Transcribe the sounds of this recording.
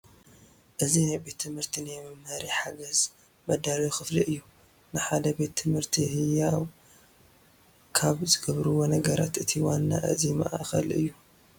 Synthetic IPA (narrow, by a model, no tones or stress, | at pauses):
ʔɨzinajbe̞t̪ʰːɨmhɨɾt̪ʰinɨjɛmɐmhɐɾiħaɡɐz | mɐd̪aɾijxɨfliʔɨjːu | nɨħad̪ɐbe̞t̪ʰːɨmhɨɾt̪ʰihɨjaw | kʰaβzɨɡɐβɾuwo̞nɐɡɐɾa̰t̪ɨt̪ʰiwanːa̰ʔɨzimɐ̰ʔaxɐ̰lʔɨ̰jːu